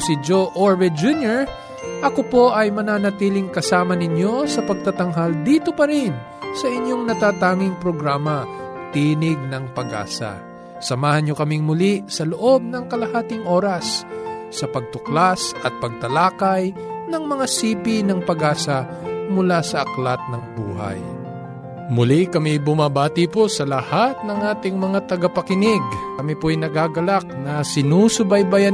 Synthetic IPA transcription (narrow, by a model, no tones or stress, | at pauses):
sɪd͡ʒoʔoɹvɛd͡ʒunjɛɹ | ʔɐkopo̞ʔɐjmɐnaːnɐt̪iːlɪŋkɐsaːmɐnɪɲjo̞sɐpɐɡ̚t̪at̪ɐŋɦald̪iːt̪o̞pɐɾɪn | sɐʔɪɲjo̞ŋnɐt̪aːt̪aːŋɪŋpɾoɡɾaːmɐt̪iːnɪɡ̚nɐŋpɐɡa̰ːsɐ̰ | sɐmaːhɐnɲokɐmɪŋmʊlisɐloʔo̞b̚nɐŋkɐlɐhaːt̪ɪŋʔo̞ːɾɐsː | ɐpɐɡ̚t̪ʊklasʔɐt̪̚pɐɡ̚t̪ɐlaːkɐj | nɐŋmɐŋasiːpɪnɐŋpɐɡaːsɐ | mʊlasɐʔɐklat̪̚nɐŋbṵːɦa̰j | mʊlikɐmɪbʊmabaːt̪ɪposɐlɐhat̪̚nɐŋʔaːt̪ɪŋmɐŋat̪ɐɡapɐkɪnɪɡkɐmipojnɐɡaːɡɐlak̚nɐsɪnusʊbajbaja